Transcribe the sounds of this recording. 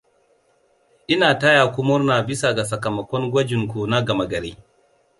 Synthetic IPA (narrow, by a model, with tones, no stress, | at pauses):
ʔɪ˦naː˨ta˦jaː˨kʷʊ˦mʊ˦rnaː˨bɪ˦sa˨ɡa˨sɐ˨kɐ˨mɐ˨kʷɔ˦ŋɡʷɐ˦d͡ʒɪ˨ŋkʷu˨na˦ɡɐ˨mɐ˦ɡɐ˨ɾḛː˦